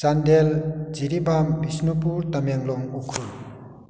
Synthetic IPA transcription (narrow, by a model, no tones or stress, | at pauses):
t͡sand̪eld͡ziɾibambisnupuɾt̪amjeŋlɔŋukʰul